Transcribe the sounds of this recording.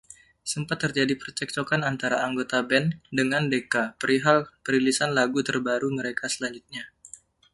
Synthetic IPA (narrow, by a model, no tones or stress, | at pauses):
səmpat̪ːərd͡ʒadipərt͡ʃɛk̚t͡ʃokanant̪aɾaːŋɡot̪abɛndəŋandekapəɾiɦalpəɾilisanlaɡut̪ərbaɾuməɾekasəlaɲd͡ʒut̪̚ɲa